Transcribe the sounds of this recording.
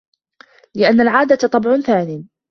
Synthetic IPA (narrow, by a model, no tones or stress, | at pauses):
lɪʔanːalʕaːd̪at̪t̪ˤɑbʕʊnθaːniː